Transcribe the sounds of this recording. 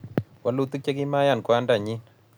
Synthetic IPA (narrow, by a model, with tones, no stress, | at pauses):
wa˦lːu˦t̪u˦k̚t͡ʃe˦k̬i˦ma˦ja˦˨nkwa˦nda˨ɲi˦n